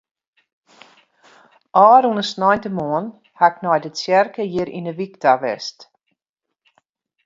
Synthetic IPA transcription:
ʔɑːɾunəsnɔjntəmɔːn | haɪknɔjdəsjɛrkəjiɾḭnəʋiktaʋɛ̰st

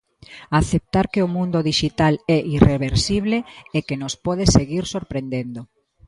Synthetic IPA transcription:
aθep̚t̪aɾkeʊmũnd̪oðiʃit̪alɛʔireβeɾsiβleekenospɔðeseɣiɾsoɾpɾend̪end̪o

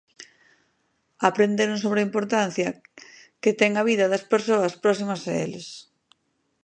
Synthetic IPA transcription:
apɾend̪eɾʊ̃nsoβɾɐimpoɾt̪an̟θjɐ | ket̪ɛŋɐβiðɐðɐspeɾsoɐspɾɔsimɐsaḛlɪs

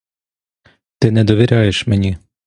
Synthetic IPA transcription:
t̪ɪnɛd̪ɔʋʲiɾʲɑjeʃmenʲi

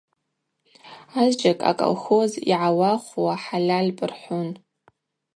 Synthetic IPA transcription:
azd͡ʒʼakʼa̰kʼo̰lxo̞zḭʕawaχʷuwaħalʲalʲpʼɨrħʷʊn

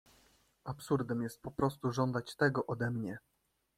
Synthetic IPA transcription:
apsuɾd̪ɛmjɛst̪̚pɔpɾɔst̪uʐɔnd̪at͡ɕt̪ɛɡɔʔɔd̪ɛmɲɛ

